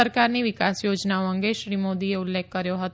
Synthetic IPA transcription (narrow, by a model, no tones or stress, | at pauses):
əɾkaɾniʋɪkasjod͡ʒnaoəŋɡeʃɾimod̪ieʊlːekʰːəɾjoɦət̪o